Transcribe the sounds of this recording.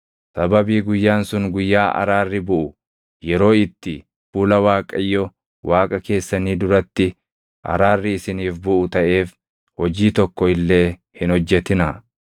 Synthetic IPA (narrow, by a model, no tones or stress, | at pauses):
sɐbɐbiːɡʊjːaːnsʊŋɡʊjːaːʔɐ̰ɾaːrːɪbʊʔʊ | jɛɾo̞ːɪt̪ːɪ | fuːlɐwaːkʼɐjːɔ | wʔaːkʼɐke̞ːsːɐniːd̪ʊɾɐt̪ːɪ | ʔɐ̰ɾaːrːɪɪsɪniːfbʊʔʊt̪ɐʔe̞ːf | hɔd͡ʒiːt̪ɔkːɔɪlːe̞ːhɪnhɔd͡ʒːɛt̪ɪnɐ